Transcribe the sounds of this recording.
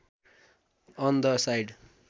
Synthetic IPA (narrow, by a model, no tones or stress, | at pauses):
ʌnd̪əsajɖ